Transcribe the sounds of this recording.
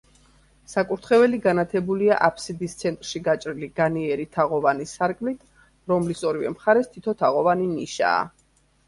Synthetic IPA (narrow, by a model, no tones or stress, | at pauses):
sakʼuɾt̪ʰχɛvɛliɡanat̪ʰɛbulia̰ʔapʰsid̪ist̪sʰɛnt̪ʼɾʃiɡat͡ʃʼɾiliɡ̥aniɛɾit̪ʰaʁɔvanisaɾkʼmlit̪ʰ | ɾɔmlisɔɾivɛ̰mχaɾɛst̪ʰit̪ʰɔt̪ʰaʁɔvaniniʃa̰ː